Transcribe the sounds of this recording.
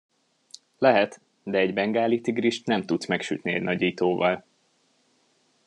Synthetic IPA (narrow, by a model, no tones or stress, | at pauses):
lɛɦɛt̪ | d̪ɛɛɟbɛŋɡaːlit̪iɡriʃt̪nɛmt̪ut̪smɛkʃy̰t̪niɛ̰ɟnɒɟiːt̪oːvɒl